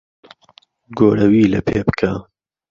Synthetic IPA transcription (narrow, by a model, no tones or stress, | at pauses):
ɡoːɾɐwiːlɐpʰeːbɨ̥kʰa